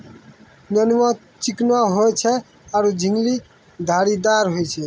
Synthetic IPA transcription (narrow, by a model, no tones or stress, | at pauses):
nɔnima | t͡ʃiknoaɦoet͡ʃʰe | aɾud͡ʑʱiŋli | d̪ʱaɽid̪aɾɦojet͡ɕʰe